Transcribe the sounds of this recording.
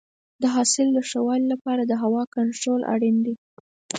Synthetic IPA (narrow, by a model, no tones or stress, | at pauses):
d̪əɦɑsɪlːəʂawɑlilapɑɾad̪əɦawɑkaɳʈɾolʔa̰ɽind̪i